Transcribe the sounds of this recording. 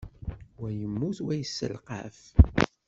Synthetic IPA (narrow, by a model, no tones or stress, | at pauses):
wæjəmːuθwæjəsːə̰lqa̰f